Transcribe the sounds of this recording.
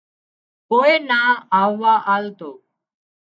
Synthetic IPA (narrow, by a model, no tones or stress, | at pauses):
koːeːnãːaːʋːaːʔaːlt̪oː